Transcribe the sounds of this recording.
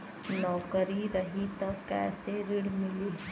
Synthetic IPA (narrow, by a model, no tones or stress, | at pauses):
nɔːkəɾiɾəɦit̪əkːɛ̰ːseɾɪɽmɪli